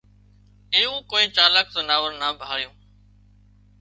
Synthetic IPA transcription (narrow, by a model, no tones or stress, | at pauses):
ẽːũːkoːĩːt͡ʃaːlək̚t̪oːnaːʋəɾnaːbʱaːɭjõː